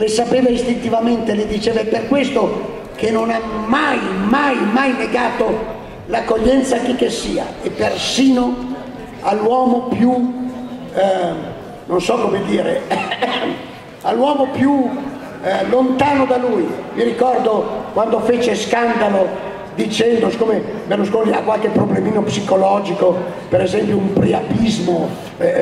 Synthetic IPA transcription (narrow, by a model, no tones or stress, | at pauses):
lesapeːvaist̪int̪ivament̪eled̪it͡ʃeːvaɛpːerkwest̪o | kenːonamajmajmajneɡaːt̪o | lakːoʎːɛnt̪sak̟ekːesiːa̰epːersiːno | alːwɔːmopju | nonsɔkːomed̪iːɾḛ | alwɔːmopju | lont̪aːnod̪alujmiɾikɔrd̪okwand̪ofet͡ʃeskand̪alo | d̪it͡ʃɛnd̪osi̥koːmebaloskolia̰kːwalkepɾoblemiːnopsikolɔd͡ʒiko | peɾezɛmpjoumpɾia̰pizmo